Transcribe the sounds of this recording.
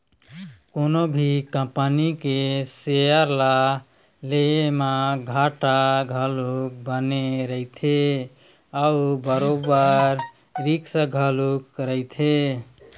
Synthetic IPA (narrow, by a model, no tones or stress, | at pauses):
konobʱikəmpənikesejəɾla | lemaɡʱaʈaɡʱəluk̚bəneɾəit̪ʰe | əubəɾobəɾ | ɾiksə̃ɡʱəlukːɾəɪt̪ʰe